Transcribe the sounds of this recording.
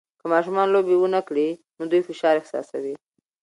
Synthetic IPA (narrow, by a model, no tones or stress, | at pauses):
kəmɑʃumɑnlobewənakɽinod̪ujfɪʃɑɾɪhsɑ̰sawi